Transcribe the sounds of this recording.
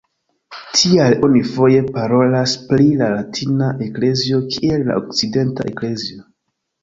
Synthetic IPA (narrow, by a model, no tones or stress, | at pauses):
tʰialo̞nifo̞je̞paɾo̞lasplilalatʰinaʔe̞kle̞zio̞kʰielːa̰ʔok̚t͡side̞nta̰ʔekle̞zio̞